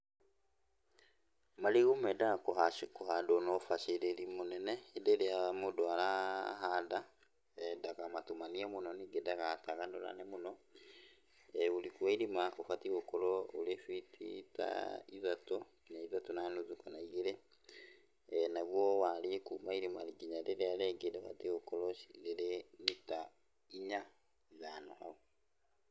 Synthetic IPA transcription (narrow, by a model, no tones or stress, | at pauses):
maliɣumɛdakoɦadonɔfaʃeɾeɾimonɛnɛːdeɾeamodoaɾaɦada | dakamatumaniamonɔniɡedakataɣanoɾa̰nɛmonɔ | ɛolikwaiɾimaʔofatiɣokoɾɔolefitʰḭta̰izato | naizatonanozukanaiɣeɾe | naβwɔwalekumaiɾima̰ɾiɡiɲaɾeɾeaɾɛɡeɾeofa̰tiokolɔʃi̥ɾeɾenita | iɲa | zanohao